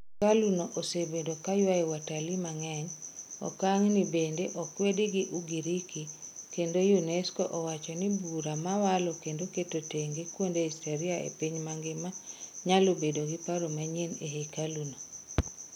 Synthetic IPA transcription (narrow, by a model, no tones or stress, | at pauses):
kalunoʔosebedokajwaɛwatalimaŋɛɲɔ̰kaŋnibendeʔɔkwediɡiʔuɡiɾikikendojunɛskoʔɔwat͡ʃɔnibuɾamawalɔkendoketoteŋɡɪkwondeisteɾiaḛpiɲmaŋɡɪmaɲalobedoɡɪpaɾomaɲeneɦekaluno